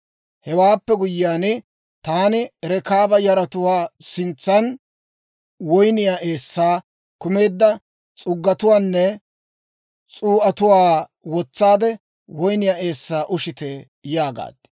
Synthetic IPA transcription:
hɛwaːpːɛɡʊjːaːnɪ | t̪aːnɪɛɾɛkaːbɐjɐɾɐt̪ʊwaːsɪnt͡sːɐn | wɔjnɪjaːʔe̞ːsːaː | kʊme̞ːd̪ːɐ | t͡sʼʊɡːɐt̪ʊwaːnːɛ | t͡sʼuːʔɐt̪ʊwaːwɔt͡sːaːd̪ɛ | wɔjnɪjaːe̞ːsːaːʔʊʃɪt̪e | jaːɡa̰ːd̪̥

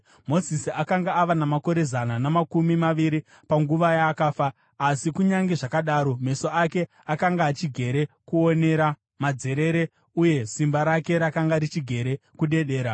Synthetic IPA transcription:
mo̞zisiakaŋɡaːʋanamako̞ɾe̞zananamakumimaʋiɾi | paŋɡuʋajaːkaːfaː | sikuɲaŋɡeʐakaɗaːɾo̞me̞so̞ake̞ | akaŋɡaːt͡ʃiɡʱe̞ɾe̞kuone̞ɾa | mad͡ze̞ɾe̞ɾe̞ | uje̞simbaɾake̞ɾakaŋɡaɾit͡ʃiɡʱe̞ɾekuɗe̞ɗe̞ːɾa

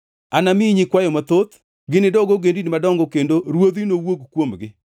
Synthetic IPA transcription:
anamiɲikwajɔmat̪ot̪ | ɡɪnɪdɔɡɔɡendinmadɔŋɡɔkendoɾwod̪inowoɡkwomɡɪ

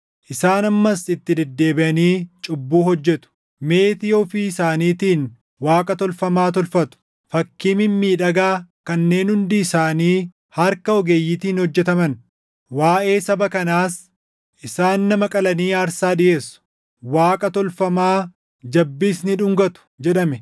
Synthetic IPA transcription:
ʔɪsaːnɐmːɐsɪt̪ːɪd̪ɛd̪ːe̞ːbɪʔɐniːt͡ʃʼʊbːuːhɔd͡ʒːɛt̪ʊ̥ | me̞ːt̪ɪjoːfiːɪsaːniːt̪iːn | waːkʼɐt̪ɔlfɐmaːt̪ɔlfɐt̪ʊ̥ | fɐkːiːmɪmːiːᶑɐɡaːkɐnːe̞ːnhʊnd̪iɪsaːniː | hɐɾkɐɔɡe̞ːjːɪt̪iːnhɔd͡ʒːɛt̪ɐmɐn | waːʔe̞ːsɐbɐkɐnaːs | ʔɪsaːnːɐmɐkʼɐlɐniːaːɾsaːᶑɪje̞ːsːʊ̥ | waːkʼɐt̪ɔlfɐmaː | d͡ʒɐbːiːsnɪᶑʊŋɡɐt̪ʊ̥d͡ʒɛɗɐmɛ

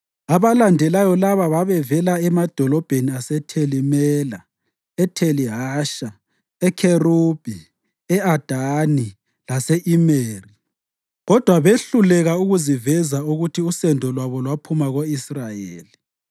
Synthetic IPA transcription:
aβalandʱɛlajɔlaβaβaβɛvɛlaɛmad̥ʱɔlɔb̥ʱeniasɛtʰelimɛla̰ | ɛtʰeliɦaːʃa | ɛkʰerub̥ʱi | ɛad̥ʱani | lasɛʔimeːri | ɣɔd̥ʱwaβeɬulɛɣauɣuzivɛzauɣutʰiusɛndʱɔlwaβɔlwapʰumaɣoisrajeːli

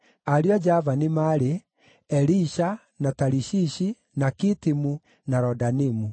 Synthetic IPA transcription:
aɾjɔd͡ʒavanimaɾe | ɛɾiʃa | nataɾiʃiʃi | nakitimu | naɾɔdanimu

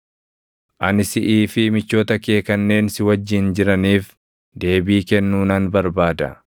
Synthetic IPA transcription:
ʔɐnɪsɪʔiːfɪmɪt͡ʃːo̞ːt̪ɐke̞ːkɐnːe̞ːnsɪwɐd͡ʒːɪnd͡ʒɪɾɐniːf | d̪e̞ːbiːkɛnːuːnɐnbɐɾbaːd̪ɐ̰

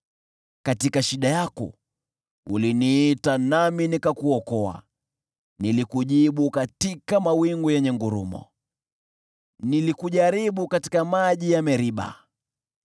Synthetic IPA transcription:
katikaʃiɗajakɔ̰ | uliniːtanaminikakuɔkɔa̰ | nilikuʄiɓukatikamawiŋɡujɛɲɛŋɡuɾṵmɔ̰ | nilikuʄaɾiɓukati̥kamaʄijamɛɾiɓa̰

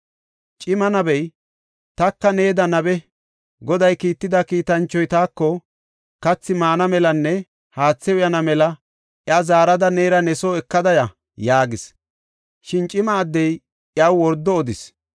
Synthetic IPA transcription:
t͡ʃʼɪmɐnɐbɛj | t̪ɐkːɐneːd̪ɐnɐbɛ | ɡɔd̪ɐjkiːt̪ːɪd̪ɐkiːt̪ɐnt͡ʃːɔjt̪aːkːɔ | kɐt͡sːɪmaːnɐmɛlɐnːɛ | haːt͡sːɛwʊjɐnɐmɛlɐ | ʔjɐzaːɾɐd̪ɐne̞ːɾɐnɛsoːɛkːɐd̪ɐjɐ | jaːɡɪs | ʃɪnt͡ʃʼɪmɐːd̪ːɛj | ʔjɐwwɔɾd̪ːɔːd̪ɪs

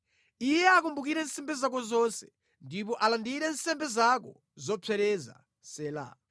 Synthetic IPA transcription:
ijɛakumbuk̬iɾɛnsɛmbɛzak̬ɔzɔnsɛ̥ | ndipɔʔalandiɾɛn̩sɛmbɛzakɔ | zɔpʰɛɾɛza̰ | sɛːla̰

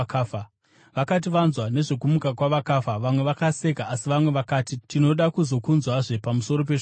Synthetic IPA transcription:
kafa | ʋakat̬iʋanzwane̞ʐo̞kumukakwaʋakafaʋamwe̞ʋakase̞kaʔːsiʋamwe̞ʋakaːtitino̞ɗakuzo̞kunzwaʐe̞pamuso̞ɾo̞p̬eʐ

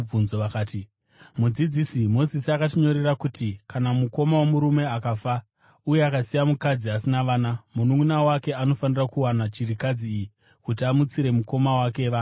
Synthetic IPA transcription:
unzoakaːti | mud͡zid͡zisimo̞zisiakatiɲo̞ɾe̞rakutikanamuko̞mawemuɾume̞akafa | uje̞akasijamukad͡ziasinaʋaːnamunuunawake̞ano̞fanirakuwanat͡ʃirikad͡ziːji | kutiamut͡siɾe̞muko̞mawake̞ʋan

